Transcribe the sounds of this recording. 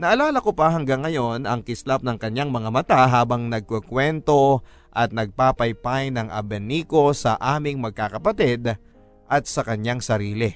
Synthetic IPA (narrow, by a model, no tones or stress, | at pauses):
nɐʔɐlaːlɐkopɐɦɐŋɡaŋːɐjo̞nɐŋkɪslap̚nɐŋkɐɲjaŋmɐŋamɐt̪aɦaːbɐŋnɐɡ̚kokwɛnt̪o̞ | ʔɐt̪̚nɐɡ̚paːpɐjpajnɐŋʔɐ̰bɛniːko̞sɐʔaːmɪŋmɐɡ̚kaːkɐpɐt̪id̪ | ʔɐt̪̚sɐkɐɲjaŋsɐɾiːlɪ